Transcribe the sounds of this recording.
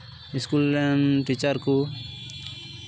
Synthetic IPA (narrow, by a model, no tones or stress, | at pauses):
iskulɛmʈit͡ʃəɾku